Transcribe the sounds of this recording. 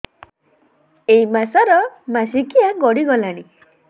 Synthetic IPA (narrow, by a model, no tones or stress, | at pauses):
eimasaɾɔmas̬ikiaɡɔɽiɡɔlaɽ̃i